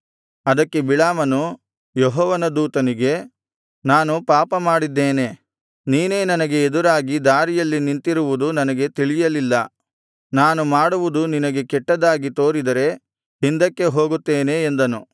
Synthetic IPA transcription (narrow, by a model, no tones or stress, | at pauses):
ɐd̪ɐkːe̞biɭaːmɐnu | jɔɦɔːʋɐnɐd̪uːt̪ɐniɡe̞ | naːnupaːpɐmaːɽid̪ːeːne̞ | niːne̞ːnɐnɐɡe̞ːd̪uɾaːɡid̪aːɾijɐlːinint̪iɾuʋud̪unɐnɐɡe̞t̪iɭijɐlilːɐ | naːnumaːɽuʋud̪uninɐɡe̞kɛʈːɐd̪aːɡit̪o̞ːɾid̪ɐɾe̞ | hind̪ɐkːe̞ɦo̞ːɡut̪ːeːne̞ːnd̪ɐnu